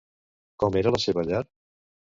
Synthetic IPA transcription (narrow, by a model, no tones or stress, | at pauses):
kɔmeɾələseβəʎaɾ